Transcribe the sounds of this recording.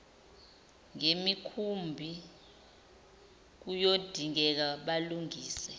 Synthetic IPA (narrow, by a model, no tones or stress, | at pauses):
ŋemikʰumbʱi | k̬ujod̥ʱiŋ̬ɛk̬aɓaluŋiːsɛ